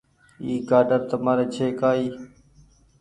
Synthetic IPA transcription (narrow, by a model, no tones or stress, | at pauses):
iːkaːɖəɾt̪əmaːɾeːt͡ʃʰeːkaːiː